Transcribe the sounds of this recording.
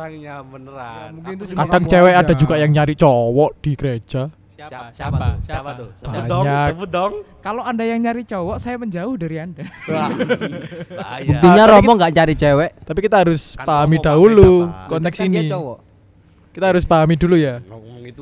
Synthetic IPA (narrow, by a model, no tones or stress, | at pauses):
kaɖ̥aŋt͡ʃɛwɛʔad̥a̤d͡ʒuɡ̥aʔjaŋɲaɾiʔt͡ʃɔwɔʔd̪̥i̤ɡəɾe̥d͡ʒ̥a | baɲakkaloanɖajaŋɲaɾiʔt͡ʃɔwɔʔsajaməɲd͡ʒaʊhdaɾianda | buk̚t̪iɲaɾɔmɔŋɡaʔɲaɾit͡ʃɛwɛʔt̪apikit̪aɦaɾʊspaɦamid̥aɦulukɔnt̪ɛksini | kit̪aɦaɾʊspaɦamid̪uluja